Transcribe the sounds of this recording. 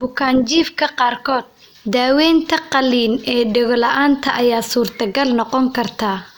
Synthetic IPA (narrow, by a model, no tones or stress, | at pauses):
bʊkʰaːnt͡ʃiːfkʰɐqɑːrkʰɔːd̪̥̚ | d̪aːwɛːnt̪ʰɐqɑliːnɛːɖɪɣɔlɐʔaːnt̪ʰɐʔɐjaːsuːrt̪ʰɐɡɐlnɔqɔŋkʰɐrt̪ʰaː